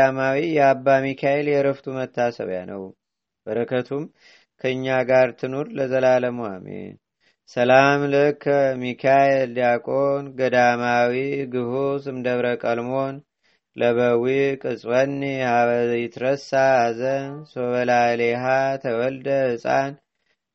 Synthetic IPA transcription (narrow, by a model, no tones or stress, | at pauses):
amawijɛabːamikʰaeljɛɾəft̪ʰumət̪ʰːasə̰βja̰nə̰w | bəɾəkʰət̪ʰum | kʰəɨɲːaɡaɾt̪ʰɨnuɾləzəlaləmua̰mḛ | səlamlɨkʰːmikʰajeld̪akʼo̞nɡəd̪amawiɡɨhusɨmd̪əβɾəkʼəlmo̞n | ləβəwikʼɨsʼwənːihaβəjɪt̪ɾəsazənsoβəlaleɦat̪ʰəwɔld̪əɨsʼa̰n